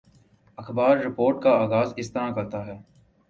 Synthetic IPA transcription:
ɐxbaːɾːɪpoːɾʈkaaːɣaːzɪst̪ɐnãkɐɾt̪aɦɛː

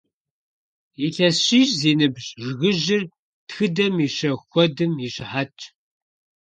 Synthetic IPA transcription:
iɬɐsɕiːʒziːnɨbʑʐɣɨʒɪr | txɨdɐmiɕɐxʷɔdɨmiɕħat͡ʃʼ

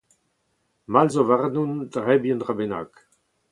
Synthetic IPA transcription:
malzovaʁnundʁɛbiənʁabena̰k

